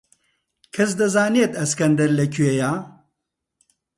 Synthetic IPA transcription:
kʰɐsd̪ɐzaːneːt̪ɐskɐnd̪ɐɾlɐkʰyejaː

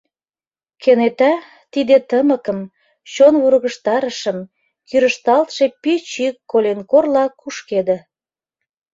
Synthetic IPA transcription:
kenet̪æ | t̪id̪et̪əməkə̆m | t͡ɕonβuɾɣə̆ʃt̪ɑɾəʃə̆m | kyɾə̆ʃt̪ɑlt̪ʃepit͡ɕikːolʲenkorlɑkuʃked̪ĕ

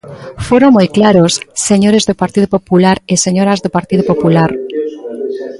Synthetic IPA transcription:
foɾoŋmojklaɾosːeɲoɾezðopaɾt̪iðopopulaɾeseɲoɾazðopaɾt̪iðopopulaɾ

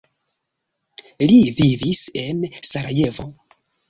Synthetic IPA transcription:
livivise̞nsaɾaje̞vo̞̰

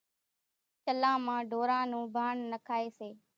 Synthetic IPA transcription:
t͡ʃəlãːmãːɖʱoːɾãːnũːbʱaːɳnəkʰaːeːseː

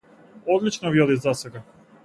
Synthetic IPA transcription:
od̪lit͡ʃnovjod̪izaseɡa

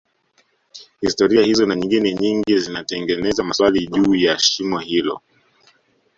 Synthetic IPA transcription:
histɔɾiahizɔnaɲiŋɡinɛɲiŋɡizinatɛŋɡɛnɛzamaswaliʄuːjaʃimɔhilɔ̰

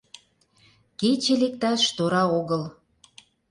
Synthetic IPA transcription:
ket͡ɕĕlek̚t̪ɑʃt̪oɾɑoɣəl

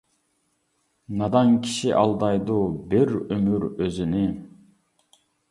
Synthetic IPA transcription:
nɑd̪ɑŋkʰi̥ʃiʔɑlˠd̪ɑjd̪uːbiɾømyɾøzyni

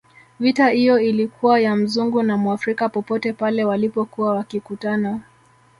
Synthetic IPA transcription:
vitahijɔilikʰuwajam̩zuŋɡunamwafɾikapɔpɔtɛpalɛwalipɔkuwawakikutana

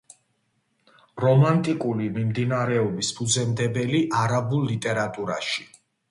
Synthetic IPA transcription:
ɾɔmant̪ʼikʼulimimd̪inaɾɛɔbispʰud̪zɛmd̪ɛbɛliʔaɾabulˠːit̪ʼɛɾat̪ʼuɾa̰ʃi̥

